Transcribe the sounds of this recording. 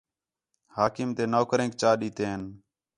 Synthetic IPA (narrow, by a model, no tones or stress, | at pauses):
haːkɪmt̪eːnoːkɾẽːk̚t͡ʃaːɗiːt̪eːɦən